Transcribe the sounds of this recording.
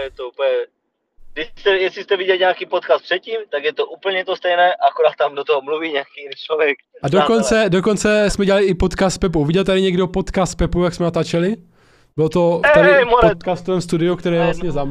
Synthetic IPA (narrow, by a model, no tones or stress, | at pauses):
jɛt̪oup̩ɲɛ | dɪst̪ɛjɛslɪst̪ɛvɪɟɛlɲaːkiːpot̪kaːst̪̚prɛt̪̚ciːmt̪aɡjɛt̪oʔuːpl̩ɲɛt̪ost̪ɛjnɛːʔakoɾaːt̪̚t̪amdot̪oɦomluviːɲɛakijinit͡ʃlovjɛk̚ | adokont͡sɛdokont͡sɛsmɛɟɛlalɪɪpot̪kaːst̪̚pɛp̬uviɟɛlt̪̬aɾɪɲɛɡɾɪopot̪kaːst̪̚pɛpujaksmɛnat̪at͡ʃɛlɪ | bɪlt̪oɛt̪aɾɪmoɾɛt̪kaːst̪ovɛːmst̪udɪukt̪ɛɾɛːjɛvlast̪ɲɛzam